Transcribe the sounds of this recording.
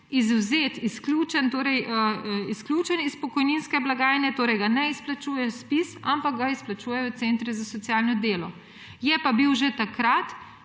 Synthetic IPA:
izwzeːt̪iskluːt͡ʃɛnt̪oːɾɛjəisklʲuːt͡ʃɛnispɔkɔjninskɛblaɡaːjnɛt̪oːɾɛjɡanɛisplat͡ʃuːjɛspisampak̚ɡaisplat͡ʃuːjɛwt̪sent̪ɾizasɔt̪sjaːlnɔd̪eːlɔ | jɛpabiwʒet̪akɾat̪

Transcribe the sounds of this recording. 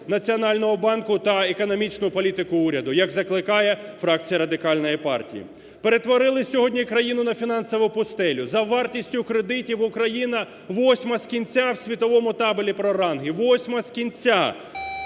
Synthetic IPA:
nɐt͡sʲiɔnɑlʲnɔɦɔbɑnkʊt̪ɐekɔnɔmʲit͡ʃnʊpɔlʲit̪ɪkʊuɾʲɐd̪ʊjɐɡzɐklˠɪkɑjɛfɾɑk̚t͡sʲijɐɾɐd̪ɪkɑlʲnɔjipɑ̰rtʲḭjḭ | pe̞ɾet̪ʋɔɾɪlˠɪsʲɔɦɔdʲnʲikɾɐjinʊnɐfʲin̪ɑnsɔʋʊpʊst̪ɛlʲʊzɐʋɑrtʲisʲtʲʊkɾed̪ɪtʲiʋʊkɾɐjinɐ | ʋɔsʲmɐskʲinʲt͡sʲawsʲʋʲit̪ɔʋɔmʊt̪ɑbʊlʲipɾɔɾɑnɦɪʋɔsʲmɐskʲinʲt͡sʲa

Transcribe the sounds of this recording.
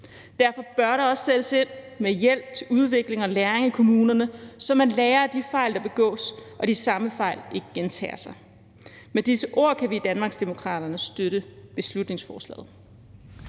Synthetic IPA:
d̥æɐfɒ̽b̥ɶɐɾɑɒ̽sːed̥əse̝n̰ | mejel̰b̥̚t͡sʰe̝luð̞ˠʋe̝ɡ̥le̝ŋɒ̽læɐʁeŋækʰo̝muːnɐnəsɒ̽mænlɛːɐd̥ifɑ̈ɪ̰ld̥ɑ̈b̥e̝ɡ̥ɔ̰̽ːsʔɒ̽d̥isɑ̈məfɑ̈ɪ̰lʔe̝ɡ̥əɡ̥ent͡sʰɛ̰ːɐsɑ̈ɪ | med̥isəʔo̝̰ɐ̰kʰæʋid̥ænmɑ̈ːɡ̥sd̥emo̝kʰʁɑ̰̈ːd̥ɐnəsd̥øɾəb̥e̝slud̥ne̝ŋsfɒːslɛ̰ːð̩ˠ

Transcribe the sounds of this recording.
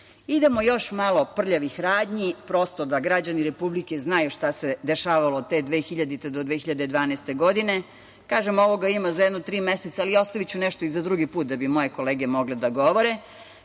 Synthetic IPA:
id̪e̞mojo̞ʃmalo̞pr̩ʎaʋixɾaːd̪ɲipɾo̞st̪od̪aɡɾad͡ʑaniɾepublike̞znajuʃt̪ased̪eʃaːʋaloːd̪̚t̪ed̪ʋexiʎad̪it̪ed̪od̪ʋeːxiʎad̪ed̪ʋaːnast̪e̞ɡo̞d̪ine̞ | kaːʒemo̞ʋo̞ɡaimazajɛd̪not̪ɾiːmeset̪saːlio̞st̪aʋit͡ɕuneʃt̪o̞izad̪ɾuɡipuːt̪̚d̪abimo̞je̞ko̞leːɡe̞mo̞ɡled̪aɡo̞ʋo̞ɾe

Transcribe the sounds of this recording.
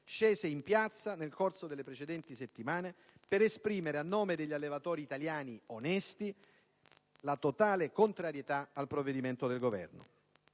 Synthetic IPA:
ʃeːzeimpjat̪sːanelkorsod̪elːepɾet͡ʃed̪ɛnt̪iset̪ːimaːne | peɾespɾiːmeɾeanːoːmed̪eʎːalːevat̪ɔːɾiːt̪aljaːnionɛst̪i | lat̪ot̪aːlekont̪ɾaɾjet̪aalpɾovːed̪iment̪od̪elɡovɛ̰rno̰

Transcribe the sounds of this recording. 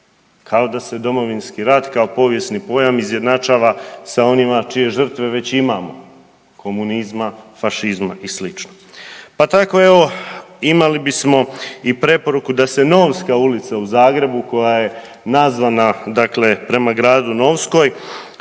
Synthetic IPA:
kʰao̞d̪ase̞d̪o̞mo̞ʋinskiɾad̪kao̞po̞ʋje̞snipo̞jamizje̞d̪nat͡ʃaːʋasao̞nimat͡ʃije̞ʒr̩t̪ʋe̞ʋe̞t͡ɕimamo̞ | kʰo̞munizmafaʃizma̰ʔislit͡ʃno | pat̪ako̞e̞ʋo̞imalibismo̞ipɾe̞po̞ɾukud̪ase̞no̞ːʋskaulit̪sauzaːɡɾe̞buko̞jaje̞ | nazʋanad̪akle̞pɾe̞maɡɾaːd̪uno̞ʋsko̞j

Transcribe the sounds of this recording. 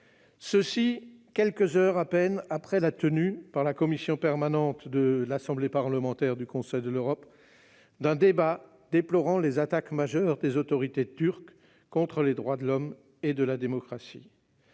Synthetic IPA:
səsikʲɛlkəzœʁapɛnapχɛlat̪ənypaʁlakɔmisjɔ̃pɛʁmanɑ̃t̪d̪əlasɑ̃blepaʁləmɑ̃t̪ɛʁd̪ykɔ̃sɛjd̪əløʁɔp | d̪ɛ̃d̪eba | d̪eplɔʁɑ̃lezat̪akmaʒœʁd̪ezot̪ɔʁit̪et̪yʁkː | ɔ̃t̪χəled̪ʁwad̪əlɔm | ed̪əlad̪emɔkχasḭ

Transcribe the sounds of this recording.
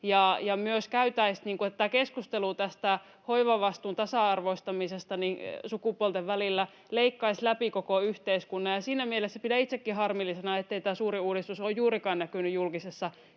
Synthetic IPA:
jɑjɑmyøskæyt̪æisniːŋkuet̪t̪ːækeskust̪eluːt̪æst̪æ | hoiʋɑʋɑst̪uːnt̪ɑsɑɑrʋoist̪ɑmisest̪ɑninsukupuolt̪eʋʋælilːæ | leikːɑislæpikokoyht̪eiskunːɑjjɑsiːnæmielesːæpidæit̪sekːihɑrmilːisenɑet̪ːeit̪æːsuːriuːɾist̪usoːjjuːrikɑːnnækynyjjulkisesːɑ

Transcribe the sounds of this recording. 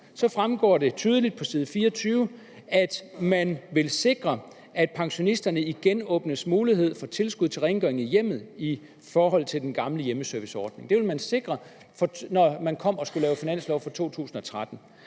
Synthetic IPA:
sɒ̽fʁamɡ̥ɒ̰ːɾ̥e̝t͡sʰyːð̞ˠəlid̥̚pʰɒ̽siːðˠfiːɐɒt͡sʰyːʊ | æd̥mænʋe̝lse̝ɡ̥ʁɐ | ʔæd̥pʰɑ̈ŋɕo̝nisd̥ɐnəiɡ̥enɔ̽ːb̥nəsmuːliɦe̝ð̞̰ˠfɒ̽t͡sʰe̝lsɡ̥uð̰ˠt͡sʰe̝lʁeŋɡ̥œɐeŋijem̰ð̞̩ˠi | fɒːɦɒ̽l̰ˠt͡sʰe̝ld̥enɡ̥ɑ̈mləjeməsœɐʋisɒːd̥ne̝ŋd̥e̝ʋe̝lmænse̝ɡ̥ʁɐ | fɒ̽nɒmænkʰɒ̽m̰ɒ̽sɡ̥ulɛːʊfinæn̰slɒʊfɒ̽t͡sʰo̝̰ːt͡sʰṵːsn̩ɒ̽t͡sʰʁad̥n̩

